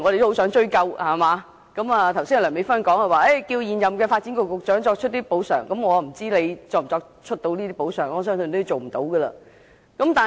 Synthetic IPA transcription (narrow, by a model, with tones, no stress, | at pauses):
ŋɔ˨˧ɾe˨jt̪o˥ho˧˥ws̬œː˨˥ŋt͡ʃɵ˥ɥkɐ˧whaː˨˩maː˨˧ | kɐ˨˧˥maː˨˧t̪ʰwsiː˥ŋa˨lœː˨˩me˨˧jfɐ˥nkɔː˨˥ŋhɐ˨˧waː˨˧e˥˩jkiː˧wjiː˨njɐ˨mkɛː˧faː˧t̚t͡si˨˥kʊ˨˩kːʊ˨k̚t͡ʃœː˨˥ŋt͡ʃɔː˧k̚t͡ʃʰt̚t̪iː˥po˨˥wsœ̰ː˨˩ŋkɐ˨˦mŋɔː˨˧m̩˨˩t͡siː˥le˨˧jt͡sɔː˧m̩˨˩t͡sɔː˧k̚t͡ʃʰɵ˥t̚t̪o˧wniː˥t̪iː˥po˨˥wsœ̰ː˨˩ŋɔː˨˩sœː˥ŋsɵ˧nt̪ːji˨t͡so˨wm̩˨˩t̪o˨˥wɡəː˧lɐ˧ | kɐ˨˦˥mt̪aː˨˩